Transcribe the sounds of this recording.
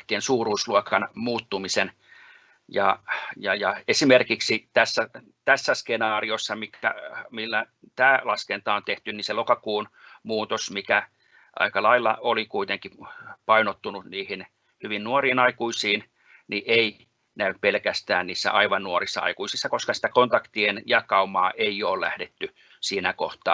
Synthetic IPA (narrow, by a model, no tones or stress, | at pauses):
t̪ːˑiensuːruːsluokɑnmuːt̪ːumisen | jɑjɑjɑesimerkiksit̪æsːæ | t̪æsːæskenɑːriosːɑmikæ̰milːæ | t̪æːlɑskent̪ɑːont̪eht̪ynniselokɑkuːnmuːt̪osmikæ | ʔɑ̰ikɑlɑilːɑolikuit̪eŋkipɑinot̪ːununiːhin | hyʋinnuoriːnɑikuisiːn | niʔei | næyppelkæst̪æːnniːsːæ̰ʔɑiʋɑnnuorisːɑ̰ɑ̰ikuisisːɑkoskɑsi̥t̪ækont̪ɑkt̪ienjɑkɑumɑːʔeioːllæ̰hdet̪ːy | siːnækoht̪ɑ̰ː